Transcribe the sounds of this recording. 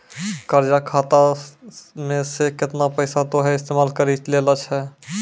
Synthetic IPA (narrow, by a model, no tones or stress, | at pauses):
kəɾd͡ʒakʰat̪a | mẽsekɪt̪napəɪsat̪oɦɛɪst̪eːmaːlkəɾilelat͡ʃʰɛ